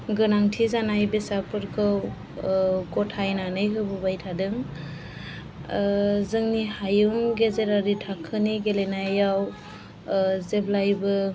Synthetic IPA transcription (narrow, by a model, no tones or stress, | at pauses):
ɡɯnaŋtʰizanajbesapʰɯɾkʰɯw | kɔtʰajnanɯjkʰɯbɯbajtʰadɯŋ | zɯŋnihajuŋɡezeɾaɾitʰakʰɯniɡelenajaw | zeblajbɯ